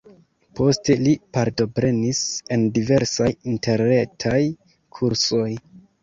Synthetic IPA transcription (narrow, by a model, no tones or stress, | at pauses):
po̞ste̞lipaɾto̞pɾe̞nise̞ndive̞ɾsajinte̞ɾne̞tʰaj | kʰuɾso̞j